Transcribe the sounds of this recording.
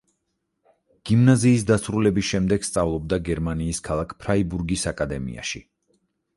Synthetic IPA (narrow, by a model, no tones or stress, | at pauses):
ɡ̥imnaziːs̬d̪asɾulɛbisʃɛmd̪ɛɡ̥st̪sʼavlˠɔb̚d̪aɡɛɾmaniːskʰalˠakʰpʰɾaibuɾɡisakʼad̪ɛmḭa̰ʃi